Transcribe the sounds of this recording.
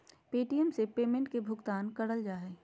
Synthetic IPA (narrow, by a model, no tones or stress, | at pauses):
peːʈijəmsepeːmẽɳʈ̚kebʱʊɡt̪aːnkɐɽəld͡ʒaːɦɛː